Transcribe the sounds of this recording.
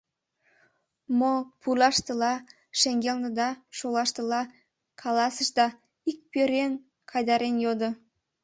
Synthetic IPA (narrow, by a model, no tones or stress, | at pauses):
mopʰulˠɑʃt̪əlˠɑ | ʃeŋɡʲelʲˠnəd̪ɑʃolˠɑʃt̪əlˠɑ | kʰɑlˠɑsəʃd̪ɑ | ik̚pʲøɾʲen | kʰɑjd̪ɑɾenjod̪ə